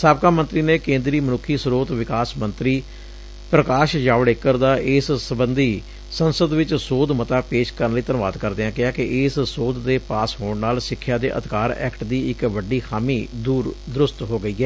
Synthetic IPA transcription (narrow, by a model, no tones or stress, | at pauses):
saːb̚kaːmə̃nt̪ɾiːneːkẽːnd̪ɾiːmənʊkʰːiːsɾoːt̪ʋɪkaːsmə̃nt̪ɾiː | pɾəkaːʃd͡ʒaːʋɽeːkːəɾd̪aːʔɪssəbənd̪iː | sənsəd̪ʋɪt͡ʃsoːd̪mət̪aːpeːʃkəɾənləiːt̪ənʋa̰ːd̪kəɾd̪eːãːkɪaːkɪʔɪːssoːd̪ːeːpaːsɦoːɳnaːlsɪkʰːjaːd̪eːʔə̰t̪ɪkaːɾɛ̰ːkʈd̪iːɪkʋəɖiːxʰaːmiːd̪uːɾd̪ɾʊst̪ɦoːɡəiːɛː